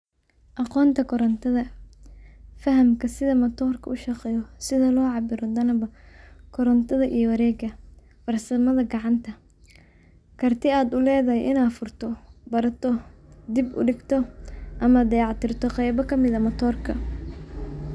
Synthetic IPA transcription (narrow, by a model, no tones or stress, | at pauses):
ʔɑqɔːnt̪ʰɐkʰɔɾɐnt̪ʰɐðɐ | fɐɦɐmkʰɐsɪðɐmɐt̪ʰɔːrkʰɐʔʊʃɑqɛjɔsɪðɐlɔːʕɑbɪɾɔd̪ɐnɐbɐkʰɔɾɐnt̪ʰɐðɐʔijɔwɑɾɛːɡɐ | fɐrsɐmɐðɐɡɑʕɑnt̪ʰɐ | kʰɐrt̪ʰɪaːd̪ʊlɛːðɐɦɛjʔɪnaːfʊrt̪ʰɔbɐɾɐt̪ʰɔd̪ɪbʊ̰ɖɪɡt̪ʰɔʔɐmɐd̪ɐjɑʕt̪ɪrt̪ʰɔqɛjbɐkʰɐmɪðɐmɐt̪ʰɔːrkʰɐ